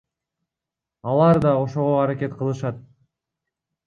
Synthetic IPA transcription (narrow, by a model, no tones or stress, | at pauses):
ɑlˠɑɾd̪ɑo̞ʃo̞ʁo̞ɑɾakʲe̞t̪qʰɯlˠɯʃɑt̪̚